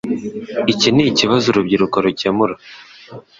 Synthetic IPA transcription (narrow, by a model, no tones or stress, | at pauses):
iciniciβazuɾubɟiɾukaɾucemuɾa